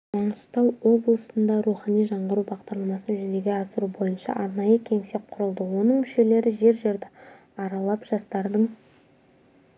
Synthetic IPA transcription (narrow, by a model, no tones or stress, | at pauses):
ɑɴəst̪ɑwwo̞blˠəsənd̪ɑɾuχɑnijʒɑɴʁəɾubɑqd̪ɑɾlˠɑmɑsənʒʏzd̪e̞ɡʲe̞ɑsəɾubo̞jənʃɑ̰ʔɑɾnɑjəkʲʰe̞ŋse̞k̚qʰʊɾəlˠd̪əwo̞nəɴmʏʃe̞le̞ɾɪʒe̞ɾʒe̞ɾd̪ɪ | ɑɾɑlˠɑpʒ̥ɑst̪ɑɾd̪əɴ